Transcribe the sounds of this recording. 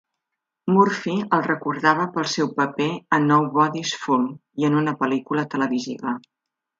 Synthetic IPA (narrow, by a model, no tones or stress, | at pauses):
muɾfiəlˠrəkuɾðaβəpəlˠsɛwpəpeənːɔwβɔðisfumiənunəpəlikulət̪ələβiziβə